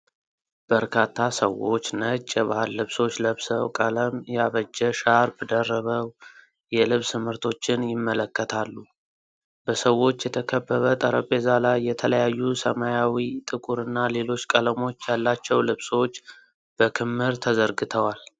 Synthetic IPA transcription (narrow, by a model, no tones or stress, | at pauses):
b̥əɾkʰat̪ʰːasəwo̞̰t͡ʃːnət͡ʃʼːɛβahalːɨβso̞t͡ʃːləβsəwkʼələmjɛaβəd͡ʒːɛʃaɾbəd̪ərːəβəw | jɛlɨβsɨmɨɾt̪ʰo̞t͡ʃːɪnjɪmːələkːət̪ʰalːu | b̥əsəwo̞t͡ʃːjɛt̪ʰəkʰəbːəβət̪ʼəɾəkʼe̞zalajːɛt̪ʰələjajːusəmajawit̪ʼɨkʼuɾɨnːale̞lo̞t͡ʃːkʼələmo̞t͡ʃːjalːat͡ʃːɛwlɨβswot͡ʃː | b̥əkʰɨmːɨɾt̪ʰəzəɾɡɨt̪ʰəwal